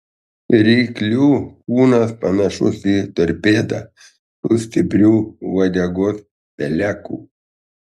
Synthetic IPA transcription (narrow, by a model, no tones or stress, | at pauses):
ɾʲɛɪklʲuːkuːnɐspɐnɐʃʊsiːt̪ɐɾʲpʲeːd̪ɐ | suːsʲt̪ʲɪpʲɾʲuːʋɐd̪ʲɛɡos | pʲɛlʲæːkṵː